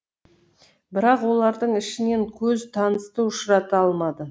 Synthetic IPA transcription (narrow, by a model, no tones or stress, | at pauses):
bɪɾɑqwo̞lˠɑɾd̪əɴɪʃɪne̞ŋkʲʰɵzt̪ʰɑnəst̪əʊʃɾɑt̪əɑlˠmɑd̪ə